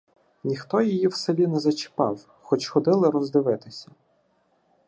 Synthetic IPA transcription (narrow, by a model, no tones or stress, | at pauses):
nʲixt̪ɔjijiwsebʲinɛzɐt͡ʃɪ̥pɑ̰w | xɔt͡ʃxɔd̪ɪlˠɪɾɔzd̪ɪʋɪt̪ɪsʲɐ